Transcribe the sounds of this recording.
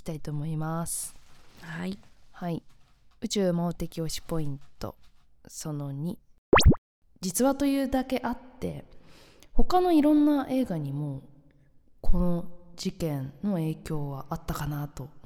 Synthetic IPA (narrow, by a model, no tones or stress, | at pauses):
t̪ait̪o̞ːmo̞imasɨ̥ | hai | ɯ̟t͡ɕɨːmoːt̪e̞kʲio̞ɕi̥po̞ĩnt̪o̞̰ | so̞no̞ɲ̟i | d͡ʑit͡sɨβat̪o̞jɯ̟ːd̪ake̞ʔat̪ːe̞̰ | ho̞kano̞iɾõ̞nːaʔe̞ːɡaɲ̟imo̞ | kʰo̞no̞d͡ʑikẽ̞nːo̞e̞ːkʲo̞ːɡaʔat̪ːakanat̪o̞